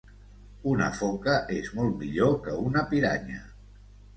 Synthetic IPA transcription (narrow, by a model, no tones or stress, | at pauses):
unə̰fɔkəʔezmɔlˠt̪miʎokəunəpiɾa̰ɲə̰